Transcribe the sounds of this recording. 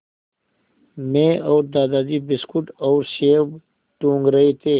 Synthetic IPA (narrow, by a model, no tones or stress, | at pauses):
mẽːɔːɾd̪aːd̪aːd̪ibɪskʊʈɔːɾseːb | ʈũːŋɡɾɐɦet̪ʰeː